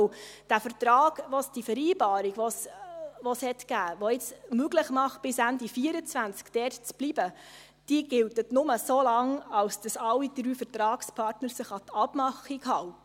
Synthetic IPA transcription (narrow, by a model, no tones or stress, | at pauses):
d̥æfəɾtɾɑːɡ̥ʋosd̥ifəɾiːbɑːɾiɡʋosʋoshɛtɡ̥æːʋoɪt͡smøɡləχmɑχt̚b̥ɪsændifiːəɾət͡sʋænt͡skd̥ɛrtt͡sb̥libə | d̥iəɡɪltətnʊməsolɑŋɑlsd̥ɑsɑlːidɾyːfəɾtɾɑːkspʰɑɾtnəɾsɪχɑtʰɑb̥mɑχiɡɦɑltə